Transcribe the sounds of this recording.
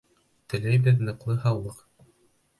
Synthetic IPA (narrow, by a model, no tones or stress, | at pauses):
t̪ɘ̆læjbɘðnɤ̆qlˠɤɦɑwlˠːɤq